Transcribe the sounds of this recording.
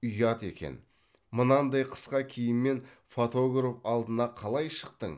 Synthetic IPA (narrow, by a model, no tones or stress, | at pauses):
ʊjɑt̪e̞̰kʲe̞̰n | mənɑnd̪ɑjqʰə̥sqɑkʲʰejɪmmːe̞nfot̪o̞ɡrofɑlˠd̪ənɑqʰɑlˠɑjʃə̥qt̪əɴ